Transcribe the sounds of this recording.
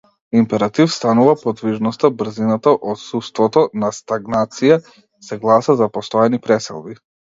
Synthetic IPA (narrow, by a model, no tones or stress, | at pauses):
impɛɾat̪ifst̪anuvapɔd̪viʒnɔst̪abr̩zinat̪aʔɔt̪sust̪vɔt̪ɔnast̪aɡnat̪sija | sɛɡlˠasazapɔst̪ɔjɛnipɾɛsɛ̰lˠbi